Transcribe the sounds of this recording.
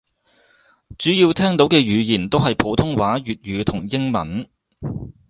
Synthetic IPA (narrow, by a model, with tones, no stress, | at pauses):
t͡ʃyː˨˥jiː˧wt̪ʰɛː˥ŋt̪o˨˥wkɛː˧ɥyː˨˧jiː˨˩nt̪o˥wɦɐ˨jpʰo˨˥wt̪ʰʊ˥ŋwaː˨˥ɥyː˨t̚ɥyː˨˧t̪ʰʊ˨˩ŋjɪ˥ŋmɐ̰˨˥n